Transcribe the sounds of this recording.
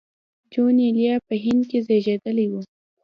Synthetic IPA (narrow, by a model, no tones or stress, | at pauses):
d͡ʒoneljɑpəɦɪnd̪̚kezeʒed̪əliwu